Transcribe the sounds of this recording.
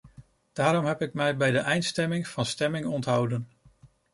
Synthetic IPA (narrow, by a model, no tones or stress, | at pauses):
d̥aːɾɔmɦɛpɪk̚mɛjbɛjdəʔɛjntstɛmɪŋv̥ɑnstɛmɪŋɔntɦʌwdən